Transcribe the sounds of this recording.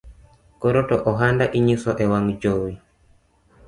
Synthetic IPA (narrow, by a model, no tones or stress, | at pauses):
kɔɾotɔʔɔɦandaʔiɲisɔʔɛwaŋd͡ʒowi